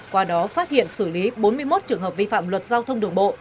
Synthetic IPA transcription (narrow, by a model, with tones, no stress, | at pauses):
kwaː˧ɗɔ˨˦faː˦˥t̚hḭ˧˨ənsɨ˧˩li˨˦ɓo˨˦nmɨ˧əjmo˦˥t̚t͡ɕɨ˨˩əŋɦəː˨˩p̚vi˧fa̰ː˧˨mlwə˨˩t̚zaː˧wt̪ʰə˧wŋ͡mɗɨ˨˩əŋɓo̰˧˨